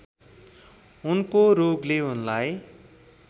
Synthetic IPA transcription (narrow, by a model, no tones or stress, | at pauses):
unkoɾoɡleunlaj